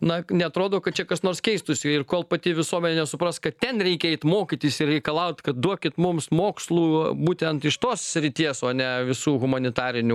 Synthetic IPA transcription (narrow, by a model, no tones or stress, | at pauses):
nɐnʲɛɐt̪ɾoːd̪oːkɐt̪̚t͡ʃʲɛkɐsnoːɾskʲɛɪst̪ʊsʲɪɪrkoːlˠpɐt̪ʲɪʋʲɪsuɔmʲɛnʲeːnʲɛsʊpɾɐskɐt̪tʲɛnɾʲɛɪkʲɛɛɪt̪moːkʲit̪ʲiːsɪrrʲɛɪkɐlˠɐʊt̪ʲkɐt̪̚d̪uɔkʲɪt̪mʊmsmoːkslˠuːbuːt̪ʲɛnt̪ɪʃt̪oːssʲɾʲɪt̪ʲiɛsoːɐnʲɛʋʲɪsuːɣʊmɐnʲɪt̪ɑːɾʲɪnʲʊ